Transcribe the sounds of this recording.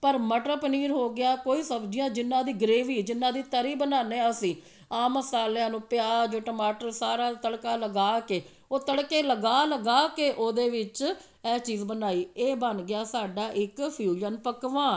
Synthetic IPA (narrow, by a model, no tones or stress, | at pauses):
pəɾməʈɾəpniːɾɦoːɡɪaːkoːiːsəbd͡ʒijãːd͡ʒɪnːãːd̪iːɡəɾeːʋiːd͡ʒɪnːãːd̪iːt̪əɾiːbənaːneːəsĩː | aːməsaːljãːnũːpɪjaːd͡ʒoːʈəmaːʈəɾsaːɾaːt̪əɽkaːləɡaːkeː | oːt̪əɽkeːləɡaːləɡaːkeːʔoːd̪eːʋɪt͡ʃ | ɛːt͡ʃiːzbənaːiːeːbənɡɪjaːsaːɖaːʔɪkpʰjuːd͡ʒənpəkʋãː